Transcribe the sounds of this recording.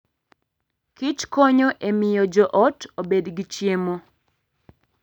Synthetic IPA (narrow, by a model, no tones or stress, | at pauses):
kit͡ʃkoɲoʔemɪjɔd͡ʒɔʔɔtobedɡit͡ʃjemo